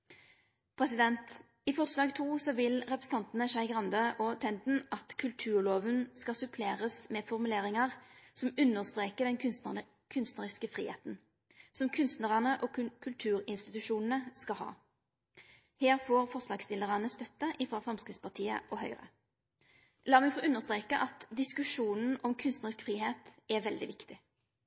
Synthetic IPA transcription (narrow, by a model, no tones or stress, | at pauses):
pʰʁɛsɪd̪ɛnt̪ | ɪfɔʁslɑːɡt̪ʰuːsɔʋɪlʁɛpɾʁəs̩n̩ɑnt̪n̩əʃæɪɡʁɑnd̪əʔɔt̪ʰɛnd̪n̩ɑt̪kʰʉlt̪ʰʉːʁloːʋənskɑsʉpʰleːʁəsmeːfɔʁmʉleːʁɪŋɑʁsɔmʉnːəʁst̪ʁeːkəd̪ɛn | kʰʉnst̪nəʁɪskəfʁḭːhḛːt̪n̩ | sɔmkʰʉnst̪nəʁɑnəʔɔkʰʉlt̪ʰʉːʁɪnst̪ɪt̪ʉʃuːnn̩əskɑlhɑ̰ː | heːʁfoːʁfɔʁslɑːɡst̪ɪlːəʁɑnəst̪œt̪ːəʔɪfɾɑːfʁɑmskʁɪt̪spɑʁt̪ʰiːə̰ʔɔhœʏʁə̰ | lɑːʁmɛfoːʔʉnːəʁst̪ʁeːkəʔɑt̪d̪ɪskʉʂuːnn̩ɔmkʰʉnst̪nəʁɪskfʁiːheːt̪ɛʋɛld̪ɪ̰ʋɪkt̪ɪ